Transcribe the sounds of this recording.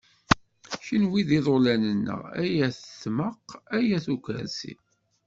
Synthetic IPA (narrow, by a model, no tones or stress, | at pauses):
çinwiðiðˤolænənːə̰ʁæ̰jæθəθməqæjæθukə̰ɾsḭ